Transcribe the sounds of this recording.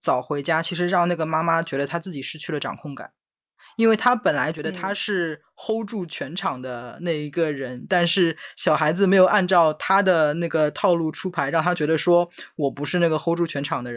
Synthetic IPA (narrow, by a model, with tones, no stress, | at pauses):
t͡sɑ˨˩ʊxwe˧˥ɪt͡ɕja˥t͡ɕʰi˧˥ʂ̬ɻ̩˧˥ɻɑ˥˧ŋna˥˩ɡə˩ma˥ma˥t͡ɕɥɛ˧˥d̪ə˧t̪ʰa˥t͡sɹ̩˥˩t͡ɕi˨˩ʂɻ̩˥˧t͡ɕʰy˥˩lə˩ʈ͡ʂɑ̰˨˩ŋkʰʊ˥˩ŋka̰˨˩˦n | i˥nwe˥˩ɪt̪ʰa˥pə˨˩nla˧˥ɪt͡ɕɥɛ˧˥d̪ə˧t̪ʰa˥ʂɻ̩˥˩ | xo˥ʊʈ͡ʂu˥˩t͡ɕʰɥɛ˧˥nʈ͡ʂʰɑ˨˩ŋd̪ə˦na˥˩ɪi˧˥ɡə˧ɻə˧˥nt̪a˥˧nʂɻ̩˥˩ɕjɑ˨˩ʊxa˧˥ɪd͡zɹ̩˧me˧˥ɪjo˨˩ʊa˥˧nʈ͡ʂɑ˥˩ʊt̪ʰa˥d̪ə˨na˥˩ɡə˩t̪ʰɑ˥˧ʊlu˥˩ʈ͡ʂʰu˥pʰa˧˥ɪɻɑ˥˩ŋt̪ʰa˥t͡ɕɥɛ˧˥d̪ə˧ʂwɔ˥wɔ˨˩pu˧˥ʂɻ̩˥˧na˥˩ɡə˩xo˥ʊʈ͡ʂu˥˩t͡ɕʰɥɛ˧˥nʈ͡ʂʰɑ˨˩ŋd̪ə˦ɻə˧˦˥n